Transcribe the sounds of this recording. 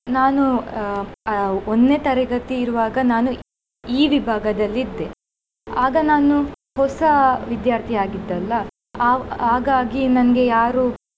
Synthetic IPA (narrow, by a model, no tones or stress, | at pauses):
naːnu | onnet̪ɐɾɐɡɐt̪iːɾuʋaːɡɐnaːnu | iːʋibʱaːɡɐd̪ɐlːid̪ːe | aːɡɐnaːnu | hɔsɐʋid̪jaːɾt̪ʰijaːɡid̪ːɐlːɐ | aːɡaːɡinɐnɐɡe̞jaːɾuː